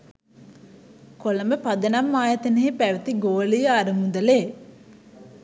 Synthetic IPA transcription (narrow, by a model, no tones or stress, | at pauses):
kolɐməpɐd̪ɐnamːaːjɐt̪ɐneɦepæʋɐt̪iɡoːlijəaɾumud̪ɐleː